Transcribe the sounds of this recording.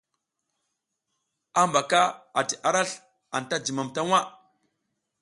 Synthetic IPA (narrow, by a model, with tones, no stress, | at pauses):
a˦mba˨ka˦a˨ti˨ʔa˦ɾa˦ɬ | a˨nta˦d͡ʒi˨ma˨mta˦ŋʷwa˦